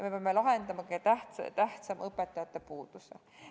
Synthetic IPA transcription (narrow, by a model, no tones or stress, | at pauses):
mepeɑmːelɑɦend̪ɑmɑkɑt̪æht̪t̪æht̪sɑmɤpːˑet̪ːˑɑjɑt̪ːˑepuːd̪̥usḛ